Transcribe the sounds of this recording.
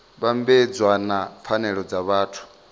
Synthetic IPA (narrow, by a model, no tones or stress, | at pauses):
βambɛd͡zwanafʰanɛɺɔd͡zaβaːtʰu̥